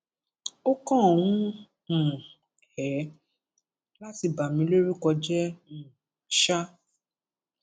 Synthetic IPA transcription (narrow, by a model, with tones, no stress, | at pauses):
o˦kɔ̃˦˨wũ˦˨ | hɛ˨˦ | la˦ti˧ba˨mĩ˨˧˦lo˦ɾi˦kɔ˧d͡ʒɛ̃˦˨ | ʃa˦